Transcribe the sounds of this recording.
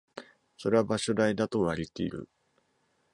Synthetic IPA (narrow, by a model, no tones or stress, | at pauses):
so̞ɾe̞βabaɕo̞d̪aid̪at̪o̞βaɾʲit̪eḭɾɯ̰